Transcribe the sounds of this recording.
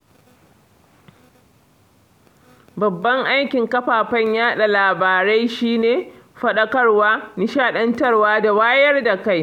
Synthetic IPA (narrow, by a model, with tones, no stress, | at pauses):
bɐ˨bːɐ˦ŋʔa˦jkʲɪ˨ŋkɐ˦ɸaː˨ɸɐ˦ɲjaː˦ɗa˨laː˨baː˨ɾa˦jʃiː˦neː˨ɸɐ˦ɗɐ˦kɐ˦rwaː˦ni˨ʃaː˦˨ɗɐ˦ntɐ˦rwaː˦da˨waː˦jɐ˦rda˨ka˦j